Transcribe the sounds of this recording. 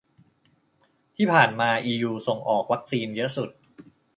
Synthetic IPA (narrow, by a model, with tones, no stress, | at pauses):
t̪ʰiː˥˩pʰaː˨˩nmaː˧ʔiː˧juː˧so˨˩ŋʔɔː˨˩k̚wa˦˥k̚siː˧njɤ˦˥su˨˩t̪̚